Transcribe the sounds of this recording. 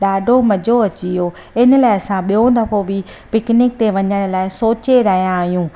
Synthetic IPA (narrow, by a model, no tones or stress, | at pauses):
ɗaːɖʱomɐd͡ʑʱoɐt͡ɕio | ɪnəlaːɪɐsãɓijõd̪ɐpʰobʱɪ | pɪknɪk̚t̪eʋɐɲəɽ̃̆laːɪsoːt͡ɕeɾɐɦijãːɦjũː